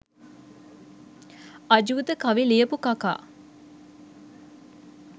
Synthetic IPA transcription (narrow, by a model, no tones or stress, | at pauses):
ɐd͡ʒuut̪əkɐʋiliəpukaka̰ː